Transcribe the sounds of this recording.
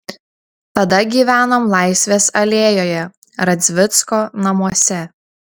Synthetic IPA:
t̪ɐd̪ɐɡʲiːʋʲæːnoːmlˠɑˑɪsʲʋʲeːsɐlʲeːjoːjɛ | ɾɐd̪zʲʋʲɪt̪skoːnɐmuɔsʲɛ

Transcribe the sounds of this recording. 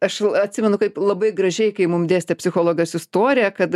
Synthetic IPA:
ɐʃɐt̪ʲsʲɪmʲɛnʊkɐɪplˠɐbɐɪɡrɐʒʲɛɪkɐɪmʊmd̪ʲeːsʲt̪ʲɛpʲsʲɪxoːlˠoːɡʲɐsɪst̪oːɾʲɪjɛkɐt̪

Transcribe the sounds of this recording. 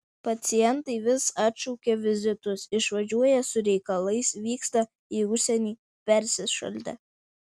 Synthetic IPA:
pɐt̪sʲɪjɛnt̪ɐɪʋʲɪsɑt̪ʃɔʊkʲeʋʲɪzʲɪt̪ʊsɪʃʋɐʒʲuɔjɛsʊɾʲɛɪkɐlˠɐɪsʋʲiːkst̪ɐ | iːʊʃʲsʲɛnʲiː | pʲɛɾʲsʲɪʃɐ̰lʲd̪ʲɛ̰

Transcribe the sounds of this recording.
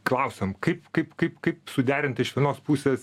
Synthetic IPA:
klˠɐʊsʲomkɐɪpkɐɪpkɐɪpkɐɪpsʊd̪ʲæːɾʲɪnt̪ɪʃʋʲiɛnoːspuːsʲeːs

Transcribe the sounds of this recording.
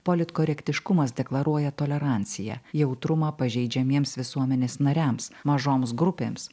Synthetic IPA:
poːlʲɪt̪koːɾʲɛkʲt̪ʲɪʃkʊmɐsd̪ʲɛklˠɐɾuɔjɛt̪oːlʲɛɾɑˑnʲt̪sʲɪjæ̰ːjɛʊt̪ɾʊmɑːpɐʒʲɛɪd͡ʒʲɛmʲiɛmsʋʲɪsuɔmʲɛnʲeːsnɐɾʲæmsmɐʒoːms̬ɡɾʊpʲeːms

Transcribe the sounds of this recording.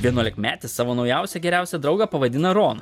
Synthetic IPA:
ʋʲiɛnuɔlʲɪkmʲæːt̪ʲɪssɑːʋoːnɒʊjæˑʊsʲɛɡʲɛɾʲæˑʊsʲɛd̪ɾɒʊɡɐpɐʋɐd̪ʲɪnɐɾoːnɐ

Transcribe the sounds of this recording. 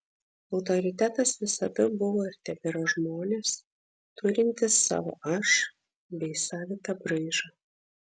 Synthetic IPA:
ɒʊt̪ɔɾʲɪt̪ʲæt̪ɐsʋʲɪsɐd̪ɐbʊʋoːɪɾʲt̪ʲɛpʲɪɾoːʒmoːnʲeːs | t̪ʊɾʲɪnʲt̪ʲɪsːɑ̰ːʋo̰ʔɐʃ | bʲɛɪsɑːʋʲɪt̪ɐbɾɐɪʒɐ

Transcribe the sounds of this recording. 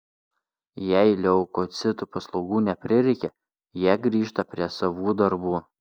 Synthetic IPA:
jɛɪlʲɛʊkot̪sʲɪt̪upɐslˠɒʊɡuːnʲɛpʲɾʲɪɾʲɛɪkʲɛ | jiɛɡɾʲiːʃt̪ɐpʲɾʲiɛsɐʋuːd̪ɐɾbuː

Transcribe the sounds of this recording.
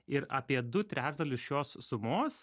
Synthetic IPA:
ɪɾɐːpʲiɛd̪ʊt̪ʲɾʲæːʒd̪ɐlʲʊsʃjoːsːʊmoːs

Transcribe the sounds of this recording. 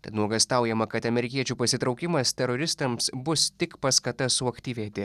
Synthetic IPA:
t̪ɐt̪nuɔɡɐst̪ɑˑʊjɛmɐkɐt̪ɐmʲɛɾʲɪkʲiɛt͡ʃʲuːpɐsʲɪt̪ɾɒʊkʲɪmɐst̪ʲɛɾɔɾʲɪst̪ɐmsbʊst̪ʲɪkpɐskɐt̪ɐsʊɐkt̪ʲiːʋʲeːt̪ʲɪ

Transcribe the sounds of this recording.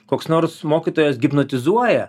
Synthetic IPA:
koːksnoɾsmoːkʲit̪oːjɛsɡʲɪpnɐt̪ʲɪzuɔjɛ

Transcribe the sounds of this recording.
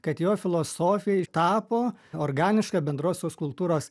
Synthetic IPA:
kɐt̪joːfʲɪlˠoːsoːfʲɪjɛɪt̪ɑːpoːoːɾɡɑːnʲɪʃkɐːbʲɛnd̪ɾoːsʲoːskʊlˠt̪uːɾoːs

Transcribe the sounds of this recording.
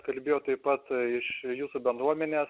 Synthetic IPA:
kɐlʲbʲeːjoːt̪ɐɪppɐt̪ɪʃjuːsubʲɛnd̪ɾuɔmʲɛnʲeːs

